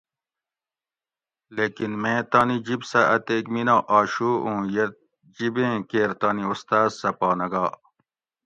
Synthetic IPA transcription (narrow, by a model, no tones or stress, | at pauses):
leːkinmẽːt̪aːnid͡ʑibsɐʔɐt̪eːkminãʔaːɕuːũːje | d͡ʑibẽːkeːɾt̪aːniust̪aːzsɐpaːnɐɡaː